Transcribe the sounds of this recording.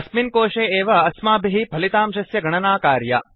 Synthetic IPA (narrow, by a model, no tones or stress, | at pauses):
ɐsminkoːʃeːeːʋɐɐsmaːbʱiɦipɐlit̪aːmʃɐsjɐɡʱɐɳɐnaːkaːɾjɐ̰